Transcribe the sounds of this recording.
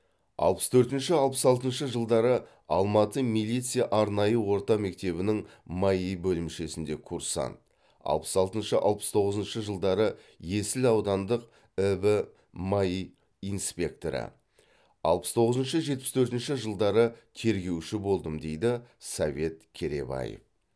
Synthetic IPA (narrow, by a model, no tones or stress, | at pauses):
ɑ̰lˠpə̥st̪ʰɵɾt̪ɪnʃɪɑlˠpəsɑlˠt̪ənʃəʒəlˠd̪ɑɾə | ɑ̰lˠmɑt̪əmilˠijt̪sijɑʔɑɾnɑjəwo̞ɾt̪ɑme̞k̚t̪e̞βɪnɪŋmɑjijbɵlɪmʃe̞sɪnd̪e̞kʰuɾsɑ̰nt̪ | ɑ̰lˠpə̥sɑlˠt̪ənʃəʔɑ̰lˠpə̥st̪ʰo̞ʁəzənʃəʒəlˠd̪ɑɾə | jesɪlɑwd̪ɑnd̪əq | əbə | mɑjij | ijnspʲe̞k̚t̪oɾɪ̰ | ɑ̰lˠpə̥st̪ʰo̞ʁəzənʃəʒe̞t̪̚pɪst̪ʰɵɾt̪ɪnʃɪʒəlˠd̪ɑɾət̪ʰe̞ɾɡʲe̞wʃɪbo̞lˠd̪əmd̪e̞jd̪ɪsɑve̞t̪kʲʰe̞ɾe̞̰bɑ̰jḛf